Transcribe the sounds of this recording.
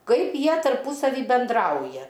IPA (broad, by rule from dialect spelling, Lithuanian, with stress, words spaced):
ˈkɐɪp ˈjiɛ tɐrˈpʊsɐʋʲiː bʲɛnˈdrɐʊjɛ